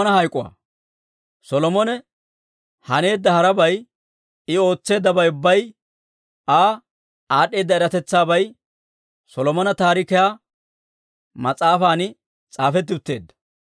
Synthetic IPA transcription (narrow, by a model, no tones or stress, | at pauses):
nɐhɐjkʼːʊwɐ̰ | sɔlɔmɔnɛ | hɐne̞ːd̪ːɐhɐɾɐbɐj | ɪo̞ːt͡sːe̞ːd̪ːɐbɐjʊbːɐj | aː | aːɗːe̞ːd̪ːɐɛɾɐt̪ɛt͡sːaːbɐj | sɔlɔmɔnɐt̪aːɾɪkɛjaː | mɐt͡sʼaːfaːnɪ | t͡sʼaːfɛt̪̬ːɪʊt̪ːe̞ːd̪ːɐ̥